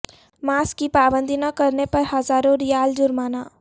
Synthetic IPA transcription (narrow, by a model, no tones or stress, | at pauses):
maːskipaːbənd̪ʱinəkəɾnepəɾhəzaːɾoɾijaːld͡ʒʊɾmana